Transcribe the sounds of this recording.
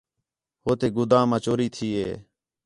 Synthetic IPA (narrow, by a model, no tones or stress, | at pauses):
hoːt̪eːɡʊd̪ãːmãːt͡ʃoːɾiːt̪ʰiːḛː